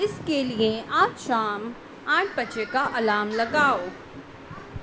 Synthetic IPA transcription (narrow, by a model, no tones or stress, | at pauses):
ɪskelieaːtʃaːm | ãːʈpɐt͡ʃekaʔɐlaːmlɐɡaːoː